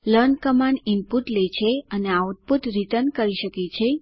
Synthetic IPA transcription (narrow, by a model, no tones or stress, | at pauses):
ləɾnkəmaɳɪmpuʈlet͡ʃʰeəneaut̪̚put̪ɾit̪ənkəɾiʃəket͡ʃʰe